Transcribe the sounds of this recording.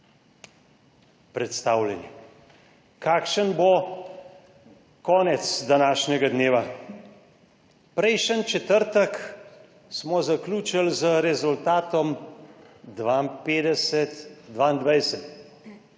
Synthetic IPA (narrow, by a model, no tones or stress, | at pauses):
pɾɛt̪st̪aːwlʲɛnjɛ | kaːkʃənbo | kɔːnɛt̪sd̪anaːʃnʲɛɡad̪neːʋa | pɾɛjʃənt͡ʃɛt̪əɾt̪ək | smɔzakluːt͡ʃalzəɾɛzult̪aːt̪ɔm | d̪ʋampeːd̪ɛsɛt̪d̪ʋaːind̪ʋajsɛt̪